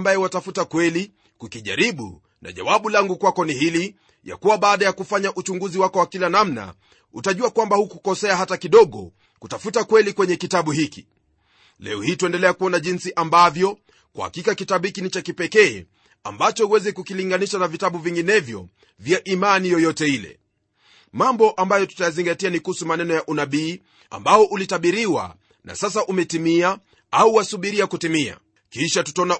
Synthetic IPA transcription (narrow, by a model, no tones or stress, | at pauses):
mbajɛwatafutakwɛli | kukiʄa̰ɾiɓṵ | na̰ʄa̰waɓulaŋɡukwakɔniɦili | ja̰kuwaɓaːɗajakufaɲaʔut͡ʃuŋɡuziwakɔwakilanamna̰ | ṵtaʄuakwambahukukɔsɛaɦatakiɗɔɠɔ̰ | kutafutakwɛlikwɛɲɛkitaɓuhiki | lɛ̰ɔhiːtuɛndɛlɛakuɔnaʄinsiʔambavjɔ | kwa̰ha̰kikakitabɓuhikinit͡ʃakipɛkɛː | a̰mbat͡ʃɔuwɛzɛkukiliŋɡaniʃanavitaɓuviŋɡinɛvjɔ̰ | vjaʔimanijɔjɔtɛilɛ̰ | mambɔʔambajɔtu̥tajaziŋɡatianikuhusumanɛnɔjaʔunaɓiː | a̰mbaɔʔulitaɓiɾiwa̰ | na̰sas̬aʔumɛtimia | auwasuɓiɾiakutimia̰ | kiʃatu̥taɔna